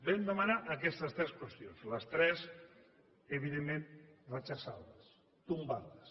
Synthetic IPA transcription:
bɛmd̪əmanaʔəkɛst̪əst̪ɾɛskwəst̪jonzləst̪ɾɛz | eβiðemːẽnrət͡ʃasaðəs | t̪umbaðəs

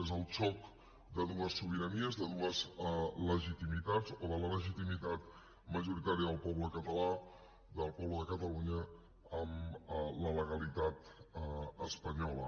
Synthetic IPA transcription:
ezəlˠt͡ʃɔk | d̪əðuəsːuβ̞iɾəniəzðəðuəzləʒit̪imit̪ad͡zoðələləʒit̪imit̪at̪ | məʒuɾit̪aɾiəðəlˠpɔβləkət̪əla | d̪əlˠpɔβləðəkət̪əluɲə | əmlələɣəlit̪at̪ | əspəɲɔlə̰

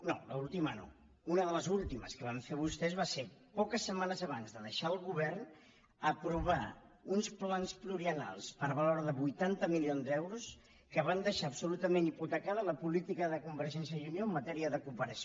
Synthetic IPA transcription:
no̰lə̰ulˠt̪iməno̰ | unəðələzulˠt̪imə̰skəβ̞aɱfeβ̞ust̪ɛzβasepɔkəsːəmanəzəβanzðəðəʃaəlˠɣuβɛɾn | əpɾuβ̞a̰ | unsplanspluɾiəna̰lˠspəɾβəloɾðəβujt̪ant̪əmilionzd̪ɛwɾus | kəβ̞and̪əʃaəpsulut̪əmeniput̪əkaðələpulit̪ikəðəkumbəɾʒɛnsjəiunioəmːət̪ɛɾiəðəkumpəɾəs

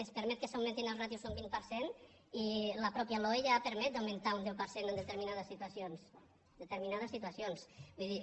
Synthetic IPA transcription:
espəɾmɛt̪̚kəsawmẽnt̪inəlˠnat̪iwzumbinpəɾsen | iləpɾɔpjəlɔjʎapəɾmɛt̪̚d̪awment̪aund̪ewpəɾsenənd̪ət̪əɾminaðəsːit̪asjons | d̪ət̪əɾminaðəsːit̪uasjonsbuijði

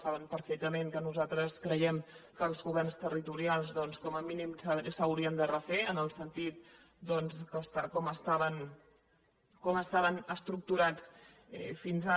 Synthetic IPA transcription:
saβəmpəɾfɛk̚t̪əmeŋkənuzat̪ɾəskɾəjɛmkəːlˠzɣuβɛrnst̪ərit̪uɾialˠzðɔnskɔməminimssəwɾiənd̪ərəfeənəlˠsənt̪it̪̚ | d̪ɔnskəst̪akɔməst̪aβən | kɔməst̪aβənəst̪ɾuk̚t̪uɾat͡s | ɛ̰finza

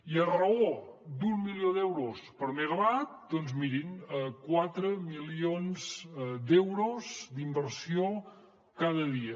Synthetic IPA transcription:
iərəod̪umːiljoðd̪ɛwɾospəɾmeɣəβat̪̚d̪ɔnzmiɾinəkwat̪ɾəmilionz̥d̪ɛwɾozd̪imbəɾsio | kaðəðiə

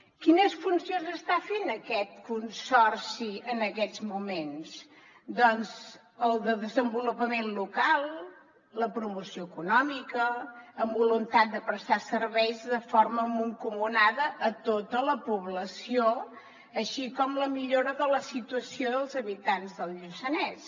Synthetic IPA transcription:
kinəsfunsionzəst̪afenəkɛt̪̚kunsɔrsiənəkɛzmumens | d̪ɔnz | əlˠd̪əðəzəmbulupəmenlukalˠ | ləpɾumusioəkunɔmikəːmbulunt̪at̪̚d̪əpɾəst̪asərβɛjzðəfoɾməmuŋkuŋunaðəʔːt̪ot̪ələpuβləsio | əʃikɔmləmiʎoɾəðələsit̪uəsioðəlˠzəβit̪anzðəlˠʎusənɛs

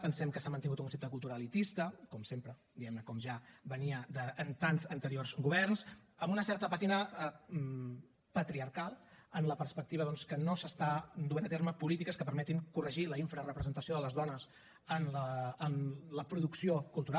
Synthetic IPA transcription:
pənsɛmkəsamənt̪iŋɡut̪uŋkunsep̚t̪əkulˠt̪uɾalit̪ist̪əkɔmsempɾəd̪iɛmnəkɔmʒabəniəd̪əːnt̪anzənt̪əɾiorzɣuβɛrnsəmbunəsɛɾt̪əpat̪inə | pət̪ɾiəɾkalˠ | ənləpəɾspək̚t̪iβəðɔnskənosəst̪ad̪uenət̪eɾməpulit̪ikəskəpəɾmɛt̪iŋkurəʒiləiɱfɾərəpɾəzənt̪əsioðələzðɔnəs | ənləːnləpɾuðuksiokulˠt̪uɾa

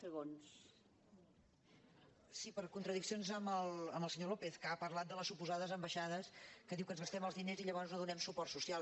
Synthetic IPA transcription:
səɣons | sipəɾkunt̪ɾəðiksionzəməlˠəməlˠsəɲolopeθkapəɾlat̪̚d̪ələsupuzaðəzəmbəʃað̞əskəðiwkənzɣəst̪ɛməlˠzðineziʎəβ̞ɔnznoðunɛmsupɔrt̪susia

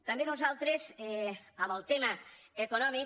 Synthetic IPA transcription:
t̪ambenozalˠt̪ɾeseaβalt̪emaekonɔmi

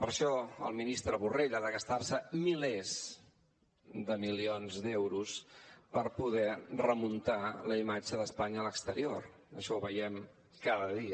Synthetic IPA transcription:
pəɾʃɔə̰lˠminist̪ɾəβureʎaðəɣəst̪arsəmilɛz | d̪əmilionzd̪ɛwɾuspəɾpuðɛrəmunt̪aləimad͡ʒəðəspaɲəːləkst̪əɾior | əʃɔuβəjɛm | kaðəðiə

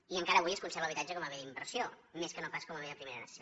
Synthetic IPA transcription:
iəŋkaɾəːβujəskunsɛɾβələβit̪ad͡ʒəkɔməβeəimbəɾsiomeskənopaskɔməβeəpɾimeɾənəsə̥si

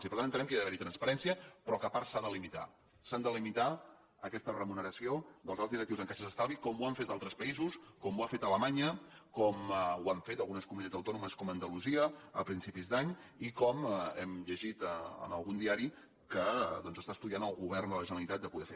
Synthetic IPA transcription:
sipɾt̪añt̪ənɛmkəeðəβɛɾit̪ɾənspəɾɛnsiəpɾɔkəpaɾsaðəlimit̪a̰ | sand̪əlimit̪a | əkɛst̪ərəmunəɾəsiod̪əlˠzalˠt̪zðiɾək̚t̪iwzəŋkaʃəzəst̪alˠβikɔmuaɱfet̪alˠt̪ɾəspəizuskɔmuafet̪ələmaɲəkɔmuaɱfet̪əlˠɣunəskumunit̪add͡zəwt̪ɔnuməskɔmənd̪əluziəəpɾinsipizd̪aɲikɔmɛmʎəʒit̪əə̰nəlˠɣund̪iaɾi | kəðɔnzəst̪aəst̪uðianəlˠɣuβɛrnd̪ələʒənəlit̪at̪̚d̪əpuðɛfe

